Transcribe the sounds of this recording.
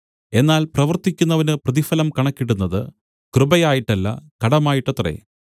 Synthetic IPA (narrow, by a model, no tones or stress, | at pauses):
e̞nːaːlprɐʋɐrt̪ikʲːunːɐʋɐnɨprɐðifɐlɐmkɐɳɐkːiɽunːɐðɨ | krɨbɐjaːjiʈːɐlːɐ̰kɐɽɐmaːjiʈːɐt̪rḛ